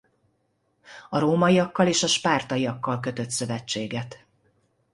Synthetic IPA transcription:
ɒɾoːmɒjijɒkːɒleːʃɒʃpaːrt̪ɒjijɒkːɒlk̬ø̞t̪ø̞t̪sø̞vɛt͡ʃːeːɡɛt̪

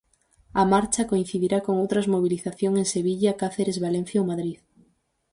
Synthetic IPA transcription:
ɐmaɾt͡ʃakoin̟θiðiɾakoŋowt̪ɾɐzmoβ̞iliθaθjoŋeŋseβiʎakaθeɾezβalẽn̟θjowmaðɾið

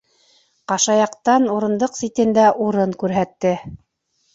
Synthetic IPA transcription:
qɑʃɑjɑqt̪ɑnuɾɤ̆nd̪ɤqsit̪ɘ̆nd̪æʔuɾɤɴkʉɾɦæt̪ːɘ

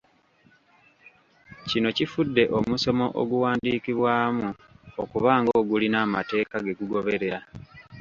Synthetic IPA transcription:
cino̞cifudːe̞ʔo̞muso̞mo̞ʔo̰ɡuwaːndiːkiβwaːmu | okuβaːŋɡoːɡulinaːmate̞ːkaɡe̞ɡuɡo̞βe̞ɾe̞ɾa

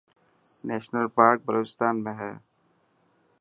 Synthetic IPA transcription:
nɛːʃnəlpaːɾk̚bʱəɾoːt͡ʃst̪aːnmẽɦɛː

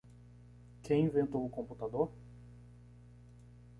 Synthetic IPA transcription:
kʰẽj̃ĩvẽnt̪owʊkõput̪ad̪oɾ

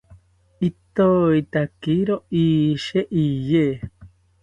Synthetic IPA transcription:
it̪oit̪akiɾoiːʃeʔije

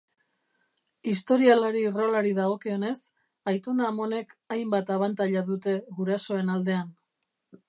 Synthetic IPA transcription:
ist̪o̞ɾialaɾiro̞laɾiðaɣ̞o̞keo̞ne̞s | ajt̪o̞naːmo̞ne̞kajmbat̪aβant̪aʎaðut̪e̞ɣuɾaso̞e̞nald̪e̞an

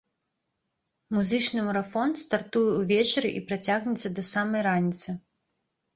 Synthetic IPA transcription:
muzɨt͡ʂnɨmuɾafɔnt̪st̪art̪ujɛwvʲɛt͡ʂɐɾɨʔipɾat͡sʲaɣnʲɛt̪sːɐd̪ɐsamɐjɾanʲit̪sɨ

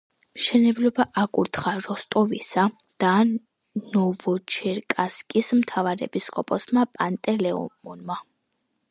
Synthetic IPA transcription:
mʃɛnɛblɔbaʔakʼṵɾt̪ʰχaɾɔst̪ʼɔvisa | d̪̥a | nɔvɔt͡ʃʰɛɾkʼaskʼismt̪ʰavaɾɛ̰pʼiskʼɔpʼɔsmapʼant̪ʼɛlɛɔ̰mɔnma

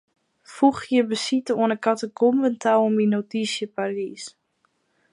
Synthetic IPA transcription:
fuxjəbəsitəwənəkatəɡomvəntʰawominotisjəparis

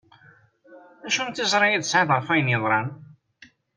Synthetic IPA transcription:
æʃunt̪ːizˤɾˤɑjiðsʕɑðˤʁəɾfæjnjəðˤɾˤɑn

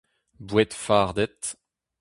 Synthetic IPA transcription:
bwɛt̪faʁd̪ɛt̪

